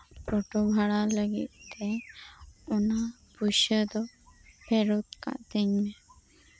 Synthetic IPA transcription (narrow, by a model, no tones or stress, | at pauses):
pɔʈobʱaɽaləɡḭt̪̚t̪ɛ | ɔna | buʃəd̪ɔbʱɛɾot̪̚ka̰t̪əɲmɛ